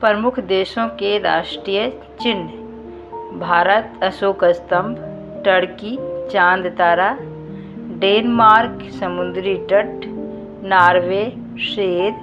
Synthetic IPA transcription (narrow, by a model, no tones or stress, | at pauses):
pɾəmʊkʰd̪eːʃõkeɾa̰ːʃʈɾijə | t͡ʃɪn | bʱaːɾət̪ɐsoːkəst̪ə̃mbʱ | ʈəɽkit͡ʃãːnd̪t̪aːɾa | ɖeːnmaːɾk | sɐmʊnd̪ɾiɖəʈ | naːɾʋeː | ʃeːd̪